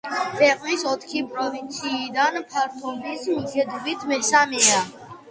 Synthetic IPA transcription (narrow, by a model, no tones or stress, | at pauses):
pʰɛqʼnisɔt̪ʰkʰipʼɾɔvint̪sʰiːd̪anpʰaɾt̪ʰɔbisuʒɛd̪ɔbit̪ʰmɛsamɛa